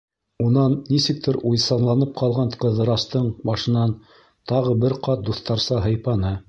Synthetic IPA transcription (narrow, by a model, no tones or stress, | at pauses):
unɑnːisɘ̆k̚t̪ʰɘɾujsɑnlˠɑnɤp̚qʰɑlˠʁɑnqɤ̆ðɤ̆ɾɑst̪ɤɴbɑʃɤ̆nɑn | t̪ɑʁɤbɘɾqɑt̪̚d̪uθt̪ɑɾsɑɦɤ̆jpɑnɤ